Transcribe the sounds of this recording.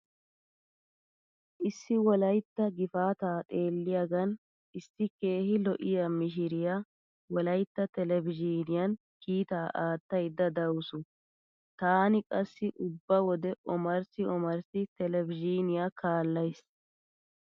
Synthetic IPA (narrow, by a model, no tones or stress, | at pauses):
ʔɪsːɪwɔlɐjt̪ːɐɡɪfaːt̪aːt̪ʼe̞ːlːɪjaɡɐn | ʔɪsːɪke̞ːhɪlɔʔɪjɐmɪʃ̬ɪɾɪja | wɔlɐjt̪ːɐt̪ɛlɛvɪd͡ʒiːnɪjɐn | kiːt̪aːʔaːt̪ːɐjd̪ːɐd̪ɐwsʊ | t̪aːnɪkʼɐsːɪʔʊbːɐwɔd̪ɛʔɔmɐɾsɪɔmɐɾsɪt̪ɛlɛvɪd͡ʒiːnɪjakaːlːɐjs